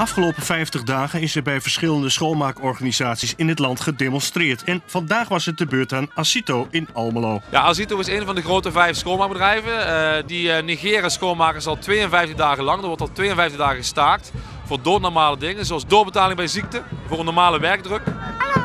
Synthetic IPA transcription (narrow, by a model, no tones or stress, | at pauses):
ɑfχəlowpəfɛjftəχdaːχənɪsɛɹbɛjvəɹsχɪləndəsχowlˠmaːkɔɹχanizaːtsisɪnɦətlɑntχədemɔnstrɪːɹtɛnv̥ɑndaːχʋɑsət̚dəbøːɹtaːnasitowɪnɑlˠməlowja̰ʔas̬itowɪsejnvɑndəɣrowtəvɛjfsχowlˠmaɹɡ̚bədɛjvədiniɣɪːriaːsxowlˠmaːkəɹsɑlˠtʋejənvɛjftəɣdaːɣəlɑŋdətʋɔɹtɑlˠtʋejənvɛjftəɣdaːɣəɣəstaːrt | fʊːɹdotnɔɹmaːlədɪŋənzoɑlˠsdoːbətaːlɪŋbɛjzik̚təvʊːrənːɔɹmaːləʋɛɹɡ̚drɵk